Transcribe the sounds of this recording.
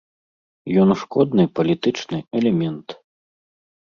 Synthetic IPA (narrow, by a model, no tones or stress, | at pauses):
jɔnʂkɔd̪nɨpɐlʲit̪ɨt͡ʂnɨɛlʲɛmʲɛnt̪